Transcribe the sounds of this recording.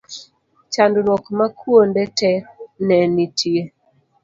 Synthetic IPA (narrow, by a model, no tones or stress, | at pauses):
t͡ʃandʊnwɔkmakʰuondɛtɛnɛnitʰie